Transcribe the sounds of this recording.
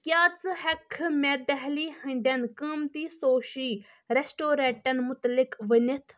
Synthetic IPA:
kʲjaːt͡sɨhɐkʰmɛd̪ɐɦliːhə̃nd̪ɐnkəːmt̪iːsoːʃiː | ɾesʈoːɾeːʈɐnmʊt̪lɪkʋənit̪ʰ

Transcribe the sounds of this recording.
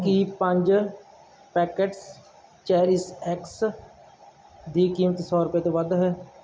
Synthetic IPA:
kipə̃ɲd͡ʒ | pɛːkeʈs | t͡ʃɛːɾɪsɛːks | d̪iːkiːmət̪sɔːɾʊpjeːt̪õːʋəd̪ɦɛː

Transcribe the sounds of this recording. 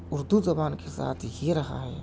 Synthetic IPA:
ʊɾd̪uzɐbaːnkesa̰ːt̪ʰjeɾɐɦa̰ɦɛ̰ː

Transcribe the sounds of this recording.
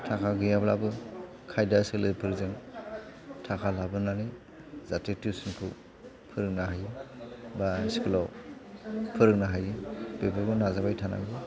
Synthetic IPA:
tʰakʰaɡɯjabla̰bɯ | kʰajdasɯlɯjpʰɯɾzɯŋ | tʰakʰalabɯnani | zatetisɯnkʰɯ | pʰɯɾɯk̚naɦaj | basi̥kɯlɔ | pʰɯɾɯk̚naɦajɯb̥ebaɾɡɯnazabajtʰana̰ŋɡɯ

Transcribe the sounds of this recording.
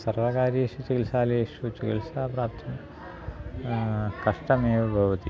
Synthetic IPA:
sɐrʋɐkaːɾjɐːʂut͡ʃikilsaːleʂut͡ʃikɐlsaːpɾaːp̚t̪ʰɐm | kɐʂʈɐmeːʋɐbʱɐʋɐt̪i

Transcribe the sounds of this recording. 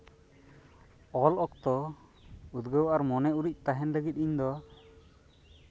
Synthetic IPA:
ɔlɔk̚t̪ɔ | ud̪ɡəwʔaɾmɔnɛuɾic̚ˀt̪aɦɛnləɡit̪̚iɲd̪ɔ

